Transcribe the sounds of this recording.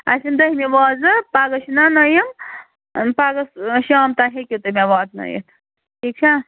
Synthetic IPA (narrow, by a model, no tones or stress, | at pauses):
ɐ̰sind̪ɐɦimiʋaːzɨpaːɡɐʃinanɐjim | paːɡɐsʃaːmt̪aɦekʲit̪umeʋaːt̪nɐ̰jḭt̪ʰ | ʈʰiːk̚t͡ʃʰa